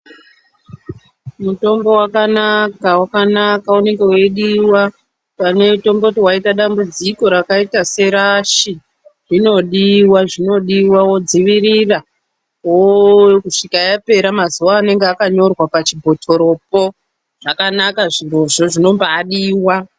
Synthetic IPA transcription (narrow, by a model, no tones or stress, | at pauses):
muto̞mbo̞wakanakawakanakaune̞ŋɡe̞we̞ɗiwa | pane̞to̞mbotiwaitaɗambud͡ziko̞ɾakaitase̞ɾaʃi | ʐino̞ɗiwaʐino̞ɗiwawo̞d͡ziʋirira | wokuʂikajape̞ɾamazuwaːne̞ŋɡeakaɲo̞rwapat͡ʃibʱo̞tʰo̞ɾo̞p̚o̞ | ʐ̥akanakaʐiro̞ʐo̞ʐino̞mbaːɗiːwa